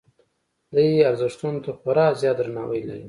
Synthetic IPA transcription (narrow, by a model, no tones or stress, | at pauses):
d̪əjaɾzɪʂt̪unt̪axʊɾɑzjɑd̪ɾanɑwəjla̰ɾi